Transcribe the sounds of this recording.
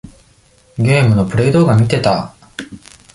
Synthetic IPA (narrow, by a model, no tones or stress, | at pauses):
ɡʲe̞ːmɯ̟no̞pɯ̟ɾe̞id̪o̞ːɡamʲit̪e̞t̪a